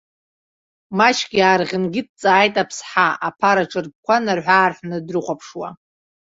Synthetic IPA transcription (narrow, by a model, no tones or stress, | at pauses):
mat͡ʃʰɡʲiaːrʁʲɪnɡʲɪt̚ʰʼt͡sʼaːjtʼapʰsħaʔapʰaɾaʈ͡ʂʼɨrp̚kʷanarħʷaːrħʷnɨdrɨχʷapʰʂwa